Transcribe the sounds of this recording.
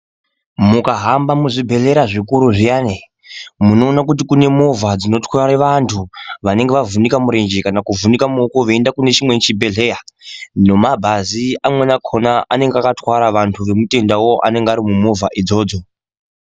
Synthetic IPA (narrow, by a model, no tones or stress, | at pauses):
mukaɦambamuʐibʱe̞ɮe̞ɾaʐikuɾuʐijaːne | muno̞ːnakut̬ikune̞mo̞vad͡zino̞twaɾeʋantʰuʋane̞ŋɡeʋavunikamuɾe̞nd͡ʒekanakuvunikamokoʋe̞ːndakune̞t͡ʃimwet͡ʃibʱe̞ɮe̞jano̞mabʱaziamwe̞nakʰonaʔane̞ŋɡeakatwaɾaʋantʰuʋe̞mute̞ndawo̞ʔa̰ne̞ŋɡaɾimumo̞vʱaʔid͡zo̞ːd͡zo̞